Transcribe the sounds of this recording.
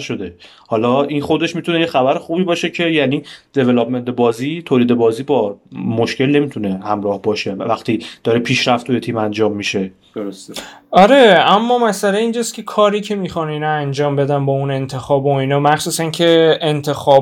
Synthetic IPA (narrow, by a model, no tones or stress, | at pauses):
ʃod̪e | hɒlɒːʔinxo̞d̪e̞ʃmit̪une̞jexæbæɾexuːbiːbɒːʃe̞cʰe̞jæniːd̪̥e̞velopme̞nt̪ʰebɒːziːt̪ʰoːliːd̪e̞bɒːziːbɒːmoʃkce̞lne̞miːt̪ʰune̞hæmɾɒːhbɒːʃevæxt̪ʰiːd̪̥ɒːɾepʰiːʃɾæft̪ʰujet̪ʰiːmænd͡ʒɒːmːiʃe̞̥ | sɒɾe̞æmːɒːmæsæleiːnd͡ʒɒscʰʲe̞kʰɒːɾicʰe̞mixɒninɒænd͡ʒɒːmbe̞d̪ænbɒune̞nt̪ʰe̞xɒːboinɒːmæxsuːsæncʰe̞ːnt̪ʰe̞xɒː